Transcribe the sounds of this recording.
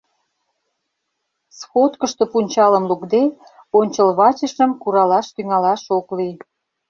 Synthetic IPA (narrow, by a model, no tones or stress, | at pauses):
sxot̪kəʃt̪o̽punʲt͡ɕɑlə̆mlukd̪e | onʲt͡ɕəlβɑt͡ɕə̆ʃə̆mkuɾɑlɑʃt̪yŋɑlɑʃoklij